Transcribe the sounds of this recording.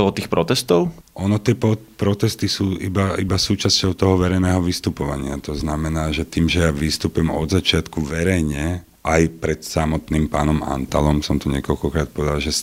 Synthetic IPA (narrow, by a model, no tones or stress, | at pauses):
ɔlɔt̪iːxpɾɔt̪ɛst̪ɔʊ | ʔɔnɔt̪ɪɛpɔ | pɾɔt̪ɛst̪isuːibaibasuːt͡ʃascɔʊt̪ɔɦɔʋɛɾɛjnɛːɦɔʋist̪upɔʋaɲɪat̪ɔznamɛnaːʒɛt̪iːmʒɛjaʋist̪upɛmɔ̰d̪zat͡ʃɪat̪kuʋɛɾɛjɲɛ | ʔajpɾɛt̪samɔt̪niːmpaːnɔma̰nt̪alɔmsɔmt̪ɔɲɛkɔʎkɔkɾaːt̪̚pɔʋɛd̪alʒɛs